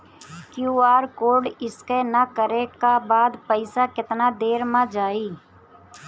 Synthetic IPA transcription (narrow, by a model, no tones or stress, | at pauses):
kjuːaːɾkoːɾɖɪskenakəɾekabaːd̪pəɪsakɪt̪nad̪eːɾmãd͡ʒaːiː